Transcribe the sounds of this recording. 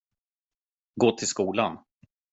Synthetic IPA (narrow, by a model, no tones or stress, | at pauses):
ɡoːt̪ʰɪlskuːlan